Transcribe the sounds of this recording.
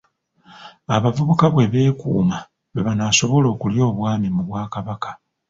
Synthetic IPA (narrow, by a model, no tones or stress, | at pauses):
aβavuβukaβwe̞βe̞ːkṵːma | βeβanaso̞βo̞lo̞ːkuljo̞ːβwaːmimuβwaːkaβakḁ